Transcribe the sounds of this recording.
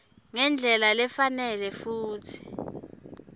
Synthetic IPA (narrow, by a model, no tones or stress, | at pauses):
ŋɛnd͡ɮʱɛlalɛfanɛlɛfuːtʰi̥